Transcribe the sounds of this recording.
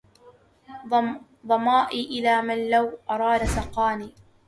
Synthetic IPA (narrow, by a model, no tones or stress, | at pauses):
d̪ˤɑmɑːʔiʔɪlaːmanlawʔɑɾˤɑːd̪asɑqɑːniː